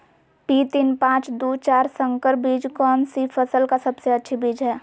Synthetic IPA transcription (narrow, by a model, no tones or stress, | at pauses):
piːt̪inpãːt͡ʃd̪oːt͡ʃaːɾsə̃ŋkəɾbiːd͡ʒkɔːnsipʰəsəlkasɐbseətːʃʰibiːd͡ʒɦɛː